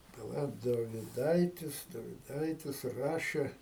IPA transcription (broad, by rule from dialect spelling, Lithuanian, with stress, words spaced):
pɐˈlˠɐ doːʋʲɪˈdɐɪtʲɪs doːʋʲɪˈdɐɪtʲɪs ˈrɑːʃʲeː